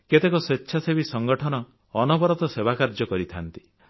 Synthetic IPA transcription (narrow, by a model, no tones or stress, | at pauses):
ket̪ekɔsetːʃʰasebisɔŋɡɔʈʰɔnɔː | nɔbɔɾɔt̪ɔsebakaɾd͡ʒɔkɔɾit̪ʰant̪i̥